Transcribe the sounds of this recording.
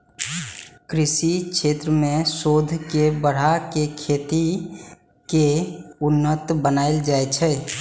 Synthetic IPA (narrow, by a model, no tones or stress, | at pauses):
kɾɪsikʰʃʰeːt̪ɾəmẽsoːd̪ʱkebəɽ̤akekʰeːt̪i | keʊnːət̪bənaːɪld͡ʒaːet͡ʃʰɛː